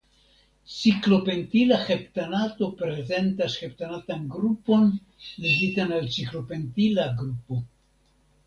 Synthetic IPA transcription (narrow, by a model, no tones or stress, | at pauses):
t͡siklo̞pe̞ntilaxe̞ptanato̞pɾe̞ze̞ntasxe̞p̚tanatanɡɾupo̞n | leɡitanalt͡siklo̞pe̞ntilaɡɾupo̞